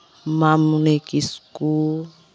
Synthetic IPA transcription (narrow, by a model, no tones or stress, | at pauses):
mamunekisku